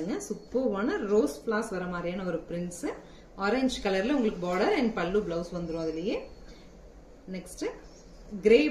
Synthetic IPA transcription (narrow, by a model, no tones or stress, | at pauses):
ɯŋɡɐsʊpːɯʋoːnɐɾoːspɭaːsʋɐɾɐmaːd̪ɾijaːnɐɔɾɯpɪɾɪnsɯ | ɔːɾeɲd͡ʒkɐlɐɾɪlɐʊŋɡɐɭɯkːɯbaːɽɐɾɛɳɖpɐɭːublɐʊsʋɐnd̪ɯɾõːɐðɪlɐjeː | nɛksʈɯ | ɡɪɾeː